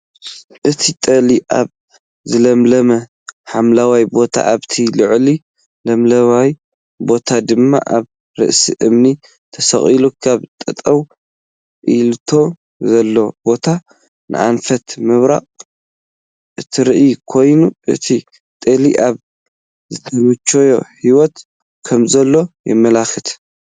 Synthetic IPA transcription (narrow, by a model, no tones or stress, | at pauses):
ʔɨt̪ʰit̪ʼɐliʔa̰β | zɨlɐmlɐmɐ | ħamlawajbo̞t̪ʰa̰ʔaβt̪ʰilɨʕli | lɐmlɐβaj | bo̞t̪ʰad̪ɨmːa̰ʔaβ | ɾɨ̰ʔsḭʔɨmni | t̪ʰɐsɐ̰χʼilukʰaβt̪ʼɨt̪ʼɐw | ʔilt̪ʰo̞ | zɐlːo̞bo̞t̪ʰa | nʔɨ̰ʔanfɐt̪mɨβɾa̰qʼ | ʔɨt̪ʰiɾɨʔjkʰo̞jnuʔɨ̰t̪ʰi | t̪ʼeliʔaβ | zɨt̪ʰɐmɨt͡ʃːojo̞̰hiwɔt̪ | kʰɐmzɐlːo̞jɨ̰mːɐlaxɨt̪